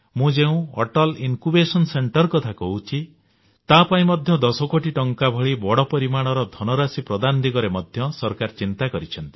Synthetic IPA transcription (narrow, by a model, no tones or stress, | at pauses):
mũd͡ʒeũɔ̰ʈɔlinkubesɔnseɳʈɔɾkɔt̪ʰakɔɦut͡ʃʰi | t̪apaĩmɔd̪ʱjɔd̪ɔsɔkoʈiʈɔŋkabʱɔɭibɔɽɔpɔɾimaɽ̃ɔɾɔd̪ʱɔnɔɾasipɾɔd̪and̪iɡɔɾemɔd̪ʱjɔsɔɾkaɾt͡ʃint̪akɔɾit͡ʃʰɔnt̪i̥